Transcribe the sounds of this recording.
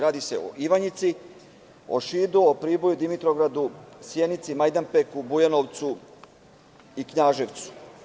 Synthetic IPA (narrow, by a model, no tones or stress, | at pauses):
ɾaːd̪ise̞o̰iʋaɲit̪si | o̰ʃiːd̪uopɾiːbo̞jud̪imit̪ɾoɡɾad̪usjenit̪simajd̪anpekubujanoʋt̪su | ikɲaːʒeʋt̪su̥